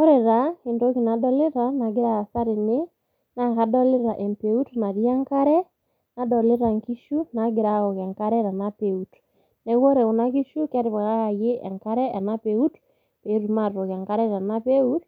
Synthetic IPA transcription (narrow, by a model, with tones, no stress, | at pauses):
ɔ˦ɾɛ˨ɾa˨e˨ndo˦ki˨na˨dɔ˦lɪ˦ɾa˨na˨ɡɪ˦ɾa˦a˨sa˦ɾɪ˨nɪ˦ | na˦ka˦dɔ˦lɪ˦ɾa˨ʔɛ˨mpe˨u˦tna˨ɾi˦a˦ŋka˦ɾɛ˦ | na˨dɔ˨le˦ɾa˨ŋki˦ʃu˦na˨ɡɪ˨ɾa˨ɣɔ˨kɛ˨ŋka˦ɾɛ˦ɾa˨na˦pe˨u˨t | nɛ˨ɣɔ˦ɾɛ˨u˨na˦ki˦ʃu˦ka˦ɾi˨βa˨ɣa˦ɣa˨je˦ʔɛ̰˨ŋka˦ɾɛ˦ʔɛ˨na˦pe˨u˦t | pe˨˦ɾu˨ma˨ɾɔ˨ka˨ŋka˦ɾɛ˦ɾa˨na˦pe˦u˦t